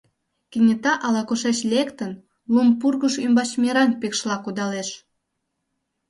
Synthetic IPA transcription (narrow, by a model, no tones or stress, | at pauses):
kinʲət̪ɑʔɑlɑkuʃet͡ɕlʲekt̪ən | lumpurɣəʃymbɑt͡ɕmʲeɾɑnpekʃlɑkud̪ɑleʃ